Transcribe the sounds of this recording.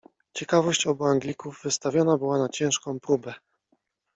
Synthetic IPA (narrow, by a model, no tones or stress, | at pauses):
t͡ɕɛkavɔɕt͡ɕɔbuaŋɡlʲikuvːɘst̪avʲjɔnabɘwanat͡ɕɛ̃ʂkɔ̃w̃pɾubɛ